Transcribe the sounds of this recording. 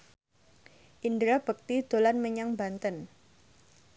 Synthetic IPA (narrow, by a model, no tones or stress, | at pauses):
ʔindɾab̥ək̚t̪id̪̥o̤lanməɲaŋbant̪ən